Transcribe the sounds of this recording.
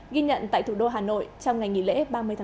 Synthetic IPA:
ɣi˧ɲə̰˧˨nt̪a̰ː˧˨jt̪ʰu˧˩ɗo˧ɦaː˨˩no̰˧˨jt͡ɕɔ˧wŋ͡mŋa˨˩jŋi˨˩lḛ˧˥ɓaː˧mɨ˧əjt̪ʰa˧

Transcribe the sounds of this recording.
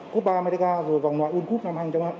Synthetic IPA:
ko˦˥p̚ɓaː˧me˧ɾi˧kaː˧zo˨˩əjva˨˩wŋ͡mnwaː˧˨jʔnku˦˥p̚na˧mhaː˧˩ŋt͡ɕɔ˧wna˧˥

